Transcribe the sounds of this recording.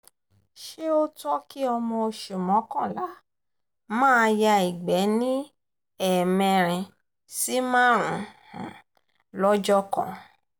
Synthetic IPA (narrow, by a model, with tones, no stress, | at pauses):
ʃe˦o˦tɔ˦ki˦ɔ˧mɔ̃˧o˧ʃu˨mɔ̃˨˦kɔ̃˦˨la˨˦ | mãː˦˧ja˧i˨ɡ͡bɛ˨˦nĩ˦ | ɛ˦˨mɛ̃˧ɾ̃ɛ̃˧ | si˦mãː˦˨ɾ̃ũ˨˦h̩˨ | lɔ˦d͡ʒɔ˦kɔ̰̃˦˨